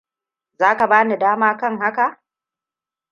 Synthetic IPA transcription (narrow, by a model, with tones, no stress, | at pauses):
zaː˦ka˨baː˦ni˨daː˦maː˦kɐ˦ŋha˦ka˨ʔ